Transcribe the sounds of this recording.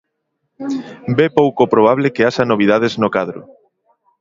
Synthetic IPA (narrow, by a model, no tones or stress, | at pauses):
bepowkopɾoβ̞aβlekeaʃanoβ̞ið̞að̞eznokaðɾo̰